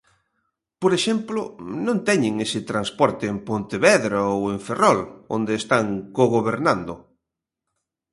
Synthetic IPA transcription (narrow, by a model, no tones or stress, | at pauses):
poɾeʃɛmplʊ̰nõnt̪ɛɲɪŋesɪt̪ɾanspɔɾt̪ɪːmpont̪eβɛðɾaoeɱferɔlo̰nd̪eːst̪aŋkoɣoβeɾnand̪ʊ